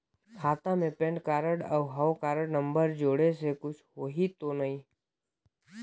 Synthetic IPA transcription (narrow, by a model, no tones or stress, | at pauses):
kʰaːt̪ãmẽpẽːɳɖkaːɾəɽəʋɦəʋkaːɾəɽnə̃mbəɾd͡ʒoːɽesekʊt͡ʃʰoɦit̪onɐĩ